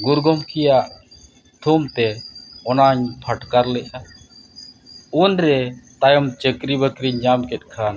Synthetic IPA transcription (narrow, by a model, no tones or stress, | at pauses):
ɡuɾɡɔmkɛjaʔ | t̪ʰumt̪ɛɔnaɲpʰəʈkaɾlɛʔa | unɾɛt̪ajɔmt͡ʃəkɾibəkɾiɲɲamkɛt̪̚ˀkʰan